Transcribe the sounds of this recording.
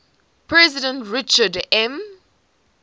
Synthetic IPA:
pʰɹɛzɪdə̃ntɹɪt͡ʃədɛ̃m

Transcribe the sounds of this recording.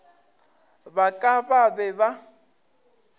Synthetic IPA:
bakʼababɛba

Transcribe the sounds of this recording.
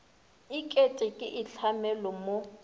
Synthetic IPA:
ikʼetʼɪkʼɪʔiɬʰamɛlɔmo

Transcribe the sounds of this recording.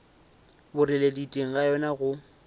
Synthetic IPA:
bʊrɪleditʼeŋ̩ɣajɔnaɣʊ

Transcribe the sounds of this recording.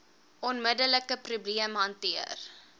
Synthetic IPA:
ʔɔnmədələkəprubliəmɦɐntiər

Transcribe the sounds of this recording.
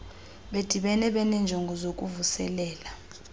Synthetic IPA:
ɓed̥ʱiɓɛnɛɓɛnɛnd͡ʒʱoŋɡʱɔzokʼuvusɛ̰lɛːla

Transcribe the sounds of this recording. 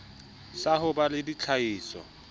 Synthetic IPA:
saɦʊbalɪdit͡ɬʰaiːsɔ̰

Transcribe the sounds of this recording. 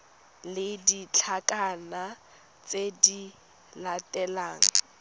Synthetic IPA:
lɪdit͡ɬʰakʼana | t͡sedi | latʼɛlaːŋ̩

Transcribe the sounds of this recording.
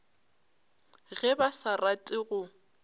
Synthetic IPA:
ɣɛbasaratʼɪɣʊ

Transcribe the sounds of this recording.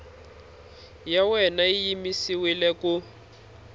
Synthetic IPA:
jawɛnaijimisiwilɛku

